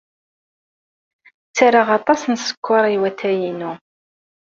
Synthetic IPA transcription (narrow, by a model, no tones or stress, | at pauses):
t͡sːaɾəʁɑt̪ˤɑsənsə̥kʷʰːɑɾˤiwæθæjinu